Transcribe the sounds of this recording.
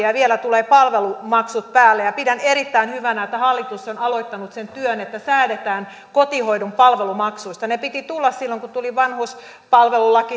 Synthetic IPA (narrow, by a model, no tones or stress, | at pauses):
ɑʋielæt̪uleːpɑlʋelumɑksut̪̚pæːlːejɑpidæneɾit̪ːæinhyʋænæet̪ːæhɑlːit̪usːonɑloit̪ːɑnut̪sent̪yønet̪ːæsæːɾet̪æːn | kot̪ihoidumpɑlʋelumɑksuist̪ɑnepit̪it̪ulːɑssilːoŋkut̪uliʋɑnhus | pɑlʋelulɑki